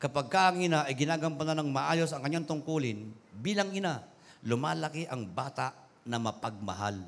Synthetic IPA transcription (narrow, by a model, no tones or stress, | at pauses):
kɐpɐɡ̚kaʔɐŋɪnaʔɐjɡɪnaːɡɐmpɐnanɐŋmɐʔaːjosɐŋkɐɲːaŋt̪ʊŋkuːlɪnbiːlɐŋɪna | lʊmaːlɐkɪʔɐŋbaːt̪aʔ | nɐmɐpɐɡ̚mɐɦa̰l